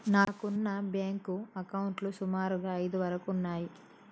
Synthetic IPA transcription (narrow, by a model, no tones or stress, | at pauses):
naːkunːɐbjaːŋkuɐkɐwuɳʈlusumaːɾuɡaːɐjd̪uʋɐɾɐkuunːaːji